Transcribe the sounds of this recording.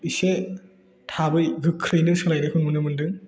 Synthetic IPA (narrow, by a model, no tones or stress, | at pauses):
ise | tʰabɯjɡɯkʰːɾijnɯɾsɯlajnɯkʰɯnmɯnɯmɯndɯŋ